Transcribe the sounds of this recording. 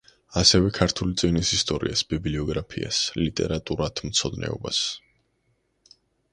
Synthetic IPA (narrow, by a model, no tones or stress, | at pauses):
asɛvɛkʰaɾt̪ʰulit̪sʼinisist̪ʼɔɾiasbibliɔɡɾapʰia̰slit̪ʼɛ̰ɾat̪ʼuɾat̪ʰmt̪sʰɔd̪nɛ̰ɔba̰s